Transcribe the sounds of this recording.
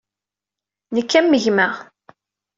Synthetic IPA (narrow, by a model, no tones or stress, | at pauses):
nəkːæmːəʝmæ